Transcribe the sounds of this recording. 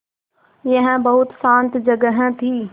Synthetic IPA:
jɐ̃ɦɪ̃bɐɦʊt̪sãːnt̪d͡ʒɐɡəɦə̃t̪ʰiː

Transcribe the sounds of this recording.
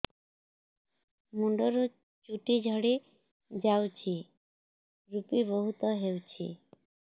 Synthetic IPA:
muɳɖɔɾo | t͡ʃuʈid͡ʑʱɔɽe | d͡ʑawt͡ɕʰi | ɾupibɔɦut̪ɔɦewt͡ɕʰḭ

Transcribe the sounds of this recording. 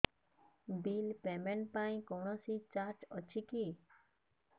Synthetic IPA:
bilpemeɳʈpaĩkɔwɳɔsit͡ʃaɾt͡ʃɔt͡ʃʰiki

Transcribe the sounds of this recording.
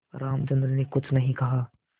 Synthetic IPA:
ɾaːmt͡ʃɐ̃nd̪ɾənekʊt͡ʃʰnɐɦĩkɐɦaː

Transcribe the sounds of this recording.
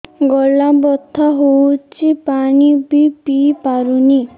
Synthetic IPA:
ɡɔlabɔt̪ʰːɔɦowt͡ʃʰipaɽ̃ibʱipipaɾuni

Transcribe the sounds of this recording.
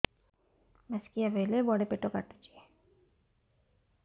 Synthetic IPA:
mɛskijabʱejlebɔɽepeʈoka̰ɾt̪e̥t͡ʃie

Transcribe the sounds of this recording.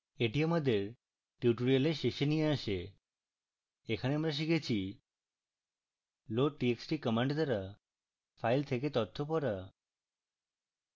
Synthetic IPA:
eʈiaməd̪ʱeɾ | ʈjuʈoɾijəleʃeʃenieaʃe | ekʰaneəmɾaʃ̬iket͡ʃʰi | loʈieksʈikəmãɳɖd̪aɾa | fʰailt̪ʰeket̪ɔt̪ʰːopɔɾa

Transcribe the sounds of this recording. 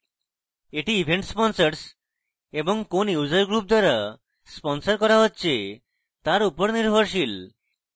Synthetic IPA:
eʈiibʱeɳʈspɔnsaɾs | eboŋkonjud͡ʑaɾɡɾup̚d̪aɾa | spɔnsaɾkɔɾaɦotːɕʰe | t̪aɾupoɾniɾbʱoɾʃil

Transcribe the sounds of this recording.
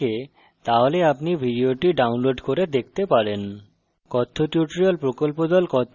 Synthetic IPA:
e | t̪aɦoleapnibʱiɖioʈiɖawnloɖkoɾed̪ek̚ʰt̪epaɾen | kɔt̪ʰːoʈjuʈoɾiolpɾokolpod̪ɔlkɔt̪ʰː

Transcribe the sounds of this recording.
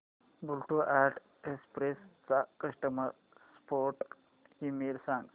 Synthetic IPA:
bulʈuʔæʈ | espɾest͡sakəʃʈəməɾ | spʰoːɾʈ | himeːlsãŋs

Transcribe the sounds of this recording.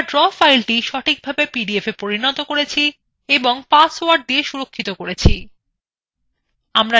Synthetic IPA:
ɖɾɔfajlʈiʃɔʈʰik̚bʱabepiɖiefepoɾinɔt̪okoɾet͡ɕʰi | eboŋpasoaɖ̚d̪ieʃuɾokʰːit̪okoɾet͡ɕʰi | amɾa

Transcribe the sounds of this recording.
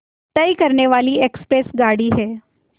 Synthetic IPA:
t̪əjkəɾɳeʋaːliːekspɾesɡaɽiːɦɛː

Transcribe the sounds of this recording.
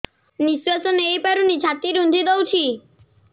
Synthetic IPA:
nisuasɔnejpaɾunid͡ʒʰʱat̪iɾund̪ʱid̪owt͡ʃʰi

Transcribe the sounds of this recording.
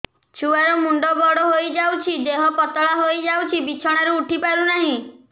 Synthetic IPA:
t͡ʃʰuaɾɔmuɳɖɔbɔɽɔɦojd͡ʒawt͡ʃʰid̪eɦɔpɔt̪ɔɭaɦojd͡ʒawt͡ʃʰibit͡ʃʰɔɽ̃aɾuuʈʰipaɾunaɦĩ

